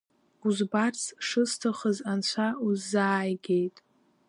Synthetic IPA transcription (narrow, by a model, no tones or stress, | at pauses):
uzbart͡sʰʂɨstʰaχəzant͡ɕʷʰauzːaːjɡʲe̞jtʼ